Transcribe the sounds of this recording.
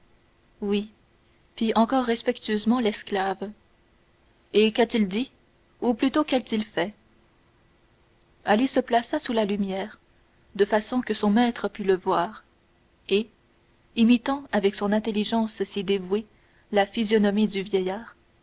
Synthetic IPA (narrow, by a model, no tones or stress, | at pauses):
wi | fiɑ̃kɔʁːɛspɛk̚t̪yøzmɑ̃lɛsklav | ekat̪ild̪i | uplyt̪okɛlt̪ilfɛ | alisəplasasulalymjɛːʁ | d̪əfasɔ̃kəsɔ̃mɛt̪χəpyləvwaːʁ | e | imit̪ɑ̃avɛksɔ̃nɛ̃t̪eliʒɑ̃ssid̪evwe | lafizjɔnɔmid̪yvjɛjaːʁ